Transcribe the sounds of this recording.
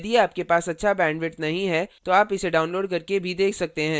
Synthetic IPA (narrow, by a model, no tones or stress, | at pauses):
d̪ijeaːp̚kepaːsɐtːʃʰabɛ̃ːɳɖʋɪʈnɐɦĩɦɛt̪oaːpɪseɖaːʊnloːɖkɐɾkebʱid̪eːkʰsɐk̚t̪eɦɛ̃ː